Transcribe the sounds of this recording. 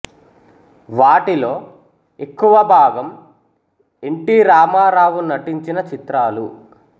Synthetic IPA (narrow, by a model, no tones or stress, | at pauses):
ʋaːʈilo̞ː | e̞kːuʋɐbʱaːɡɐm | eɳʈiɾaːmaːɾaːʋunɐʈiɲt͡ʃinɐt͡ʃit̪ɾaːlu